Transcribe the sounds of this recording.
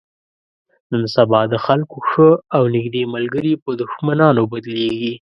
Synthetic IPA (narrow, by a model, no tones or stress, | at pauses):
nənsabɑd̪əxalkoxəawnɪɡd̪emalɡəɾipəd̪ʊxmanɑnobad̪leɡi